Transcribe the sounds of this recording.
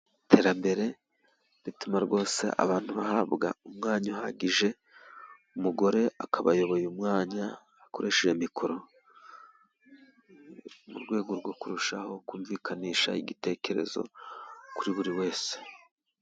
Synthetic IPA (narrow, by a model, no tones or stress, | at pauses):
tʰe̞ːɾambe̞ɾe̞ | ɾitumaɾɡo̞ːse̞̰ʔa̰βaːn̥tuβahaβɡa̰umŋaːɲahaɟiʒe̞ | umuɡo̞ɾe̞ʔakʰaβajo̞βo̞jumŋaːɲaː | ko̞ɾe̞ʃeʒemikʰo̞ɾo̞ | muɾɡwe̞ːɡo̞ɾɡwo̞kuɾuʃaho̞kuːɱviːkʰaniːʃa̰iɟite̞ːce̞ɾe̞̰zo̞̰kuɾiβuɾiwe̞ːse̥